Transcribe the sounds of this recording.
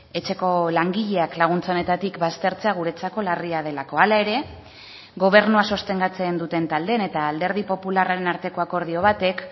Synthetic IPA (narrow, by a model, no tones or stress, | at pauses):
e̞t͡ʃe̞ko̞laŋɡiʎe̞aklaɣ̞unt͡saone̞t̪at̪ikbast̪e̞ɾt͡se̞aɣ̞uɾe̞t͡sako̞lariað̞e̞lako̞alae̞ɾe̞ | ɡo̞β̞e̞ɾnuaso̞st̪e̞ŋɡat͡se̞nd̪ut̪e̞nt̪ald̪e̞ne̞t̪aːld̪e̞ɾð̞ipo̞pularaɾe̞naɾt̪e̞ko̞ako̞ɾð̞io̞β̞at̪e̞k